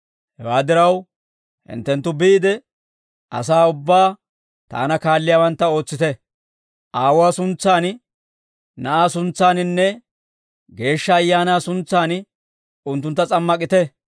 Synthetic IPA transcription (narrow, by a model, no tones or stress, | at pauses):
hɛwaːd̪ɪɾɐw | hɪ̰nt̪ːɛnt̪ːʊbiːd̪ɛ | ʔɐ̰s̬aːʊbːaː | t̪a̰ːnɐkaːlːɪjaːwɐnt̪ːɐo̞ːt͡sːɪt̪ɛ | ʔaːwʊaːsʊnt͡sːaːn | nɐʔaːsʊnt͡sːaːnɪnːɛ | ɡe̞ːʃːɐːjːaːnaːsʊnt͡sːaːn | ʊnt̪ːʊnt̪ːɐt͡sʼɐmːɐk̬ʼɪt̪ɛ